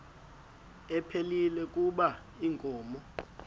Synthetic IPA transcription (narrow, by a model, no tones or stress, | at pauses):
ɛpʰelilɛk̬ʼuɓa | iŋkʼɔːmɔ